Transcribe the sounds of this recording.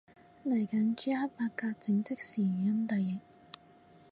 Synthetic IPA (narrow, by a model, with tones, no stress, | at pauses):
lɐ˨˩jkɐ˨˥nt͡ʃyː˨˥ha˥t̚paː˧kkːaː˧k̚t͡sɪ˨˧˥ŋt͡sɪ˥k̚siː˨˩ɥyː˨jɐ˥mt̪ɐ˨jjɪ˨k̚